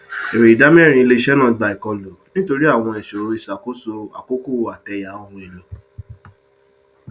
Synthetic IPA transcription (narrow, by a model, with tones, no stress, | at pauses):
e˨ɾe˨i˨da˨˦mĩ˦˨ɾ̃ĩ˧i˧le˦ʃɛ˦nã˦˨ɡ͡ba˨i˨kɔ˧lo˨nĩ˦to˧ɾi˦a˦˨w̃ɔ̃˧ɛ˨ʃo˨˦ɾi˧˨sa˨ko˦so˧a̰˨ko˦ku˦˨a˨tɛ˧ja˨˦o˧wũ˧e˨lo˨